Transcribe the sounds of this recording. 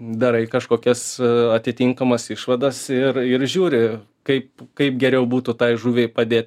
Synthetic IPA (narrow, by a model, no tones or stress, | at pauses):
d̪ɐɾɐɪkɐʃkoːkʲɛsɐt̪ʲɪt̪ʲɪŋkɐmɐsɪʃʋɐd̪ɐsɪrɪɾʒʲuːɾʲɪ | kɐɪp̚kɐɪp̚ɡʲɛɾʲɛʊbuːt̪ʊt̪ɐɪʒuːʋʲɛɪpɐd̪ʲeːt̪ʲ